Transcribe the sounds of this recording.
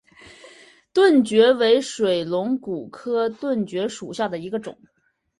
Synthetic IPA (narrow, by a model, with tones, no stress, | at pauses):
t̪wə˥˩nt͡ɕɥɛ˧˥we˧˥ɪʂwe˨˩ɪlʊ˧˥ŋku˨˩kʰɤ˥t̪wə˥˩nt͡ɕɥɛ˧˥ʂu˨˩ɕja˥˩d̪ə˩i˧˥ɡə˧ʈ͡ʂʊ̰˨˩˦ŋ